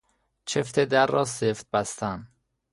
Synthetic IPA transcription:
t͡ʃʰeft̪ʰed̪æɾːɒːseft̪̚bæst̪æn

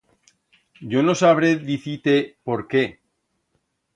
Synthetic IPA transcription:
ɟ͡ʝo̞no̞saβ̞ɾeðiθit̪e̞po̞ɾke

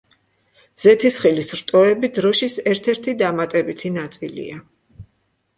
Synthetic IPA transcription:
z̥ɛt̪ʰisχilisɾt̪ʼɔɛbid̪ɾɔʃisɛɾt̪ʰɛɾt̪ʰid̪amat̪ʼɛbit̪ʰinat̪sʼḭlḭa

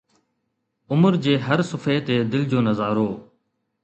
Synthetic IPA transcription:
ʊməɾd͡ʒeːɦəɾsʊfʰeːt̪eːd̪ɪld͡ʒoːnəzaːɾoː

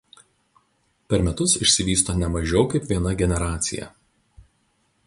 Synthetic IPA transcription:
pʲɛɾmʲɛt̪ʊsɪʃʲsʲɪʋʲiːst̪oːnʲɛmɐʒʲɛʊkɐɪpʲʋʲiɛnɐɡʲɛnʲɛɾɑːt̪sʲɪ̰jɛ̰

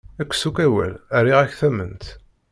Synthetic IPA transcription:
ækʷːsukæwæ̰lærːiʁæçθæmə̰nt̪

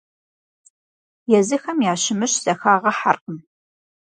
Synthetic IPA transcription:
jɛzɨxɐmjaːʃɪmɨɕz̥ɐxaːʁɐħarqəm

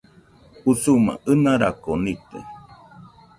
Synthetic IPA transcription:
husuma̰ʔɨnaɾakonit̪ḛ

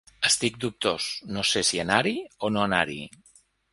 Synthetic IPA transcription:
əst̪ik̚d̪up̚t̪osnosesianaɾionoanaɾḭ

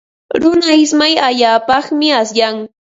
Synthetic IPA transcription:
ɾʊnaɪsmajaʎaːpɑχmɪasjaŋ

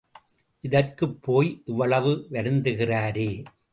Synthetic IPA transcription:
ʔɪðɐrkɯpːoːjʔɪʋːɐɭɐʋɯʋɐɾɯnd̪ɯɣɪraːɾeː

